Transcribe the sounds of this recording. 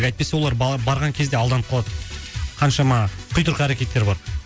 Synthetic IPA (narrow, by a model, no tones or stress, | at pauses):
ɡɑjt̪̚pesew̪ˠɑɾbɑɾʁɑŋkʲʰe̞zd̪e̞ɑlˠd̪ɑnpqʰolˠɑt̪qʰɑnʃɑmɑqʰʊjt̪əɾqɑæɾekʲe̞t̪ːe̞ɾbɑɾ